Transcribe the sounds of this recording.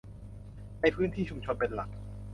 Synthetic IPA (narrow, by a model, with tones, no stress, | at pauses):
na˧˥˩jpʰɯː˥˩nt̪ʰiː˥˩t͡ɕʰu˧mt͡ɕʰo˧npe˧nla˨˩k̚